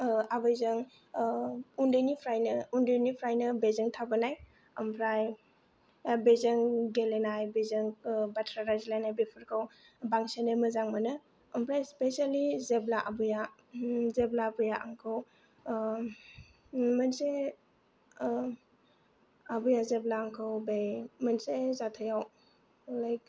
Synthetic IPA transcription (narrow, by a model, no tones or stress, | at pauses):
abɯjzɐŋ | undɯjnipʰɾajnɐundɯjnipʰɾajnɯbezɯŋtʰabənaj | ɐmpʰɾaj | bezəŋɡelenajbezɯŋbatʰɾaɾazlajnajbepʰɯɾkʰaw | baŋseneməzaŋmɐnɯ | ɐmpʰɾajspesalizeblaʔɐbuja | zeblabujaʔaŋkʰɯw | mənse | ɐbujazeblaːŋkʰɯwbejmənsezatʰəjaw | lajk̚